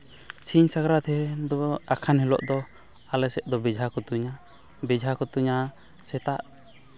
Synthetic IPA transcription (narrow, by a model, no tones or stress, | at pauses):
siɲsaɡɾat̪ʰɛd̪ɔakʰanɦɛlɔ̰ʔd̪ɔ | alɛsɛt̪̚d̪ɔbɛd͡ʒʱakɔt̪uɲa | bɛd͡ʒʱakɔt̪uɲa | sɛt̪aʔ